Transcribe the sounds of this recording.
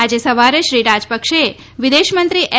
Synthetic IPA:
ad͡ʒesəʋaɾeʃɾiɾad͡ʒpəkʃe | ʋɪd̪eʃmənt̪ɾiʔɛ

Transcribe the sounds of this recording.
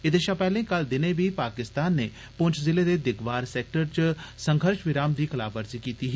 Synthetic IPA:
ɪd̪eːʃãpɛːlẽːkəld̪ɪnẽːbʱiːpaːkɪst̪aːnːeː | pʊɲt͡ʃʰzɪleːd̪eːd̪ɪkʰʋaːɾsɛːk̚ʈəɾt͡ʃsə̃ŋɡʱəɾʃʋɪɾaːmd̪iːkəlaːbəɾziːkiːt̪iːɦɛː

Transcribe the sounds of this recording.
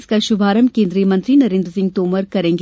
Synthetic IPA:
skaʃʊbʱaːɾəmkẽːnd̪ɾijəmɐ̃nt̪ɾinɐɾẽːnd̪ɾsɪ̃ŋɡ̚t̪oːməɾkɐɾẽːŋɡ

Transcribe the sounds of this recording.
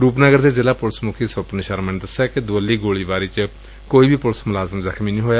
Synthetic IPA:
ɾuːpnəɡəɾd̪eːzelaːpʊlsmʊkʰiːsəpnɪʃaːɾmənd̪əsaːked̪ʊəlːiːɡoːɭiːʋaːɾiːt͡ʃ | koːiːbʱiːpʊlsmʊlaːzəmzəkʰmiːnĩːɦoːjaː

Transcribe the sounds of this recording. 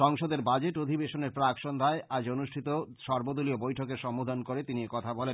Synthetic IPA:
ʃɔŋʃod̪eɾbad͡ʑeʈod̪ʱibeʃoneɾpɾakʃond̪ʱaead͡ʑonuʃʈʰit̪oʃɔɾbod̪oliobojʈʰokeɾʃɔmod̪ʱankoɾet̪iniekɔt̪ʰabɔlen

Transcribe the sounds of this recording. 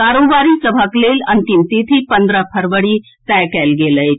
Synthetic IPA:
kaːɾoːbaɾisəbʱəklelɐnt̪imt̪it̪ʰipə̃nd̪ɾəpʰəɾʋəɽi | t̪ɛjkɛlɡeːləj

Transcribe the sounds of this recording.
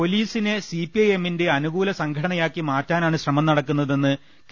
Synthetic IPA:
po̞liːsinesipiɐjeminde̞ɐnuɣuːlɐsɐŋɡʱɐɽɐɳɐjaːkːimaːtːaːnaːɳɨɕrɐmɐmnɐɽɐkːunːɐðe̞nːɨ | k

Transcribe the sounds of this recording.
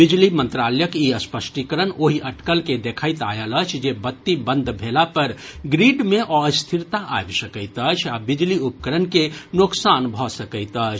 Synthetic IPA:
bid͡ʒlimə̃nt̪ɾaləjəkiəspəsʈikəɾənoɦiʔəʈkəlked̪ekʰəjt̪a̰jələt͡ʃʰd͡ʒebət̪ːibənd̪ʱbʱelapəɾɡɾiɖmeʔɔst̪ʰiɾt̪aʔa̰jbsəkəjt̪ət͡ʃʰabid͡ʒliupəkəɾənkenoksanbʱɔsəkəɪt̪ət͡ʃʰ

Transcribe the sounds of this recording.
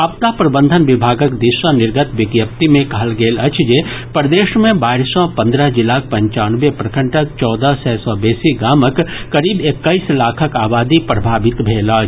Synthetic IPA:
ɐpt̪apɾɐbə̃nd̪ʱənʋɪbʱaːɡəkd̪ɪʃənɪɾɡət̪ʋɪɡjəp̚t̪imẽkɐɦəlɡeːlɐt͡ʃʰd͡ʒepɾd̪eːʃmẽbaːɾsɔpɐ̃nd̪ɾəɦd͡ʒɪlaːk̚pɐ̃ɲt͡ʃaːnʋepɾɐkʰə̃ɳʈək̚t͡ʃɔːd̪əsɛːsɔbeːsiɡaːməkːɐɾiːbekːəislaːkʰəkaːbaːd̪ipɾɐbʱaːbɪt̪bʱeːlaː

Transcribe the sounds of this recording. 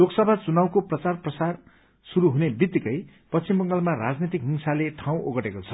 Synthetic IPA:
loksʌbʱat͡sunawkoprʌt͡sarprʌsar | suɾuɦunebit̪ːikʌj | pʌst͡ɕimbʌŋɡʌlmaɾad͡znet̪̬ikɦinsaleʈʰaw̃ʔoɡʌʈekot͡sʰʌ

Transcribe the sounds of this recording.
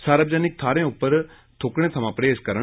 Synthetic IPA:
saːɾəbd͡ʒɛːnɪk̚t̪ʰaːɾẽʊpːəɾ | t̪ʰoːkɽ̃ẽːt̪ʰɐmãːpɾeːskəɾə

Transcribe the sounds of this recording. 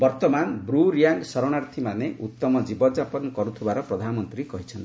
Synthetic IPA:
bɔɾt̪ɔmanbɾuɾjaŋɡsɔɾɔɽ̃aɾt̪ʰimaneʔut̪ːɔmɔd͡ʒibɔd͡ʒapɔnɔkɔɾut̪ʰibaɾɔpɾɔd̪ʱanɔmɔnt̪ɾikɔɦit͡ʃʰɔnt̪i

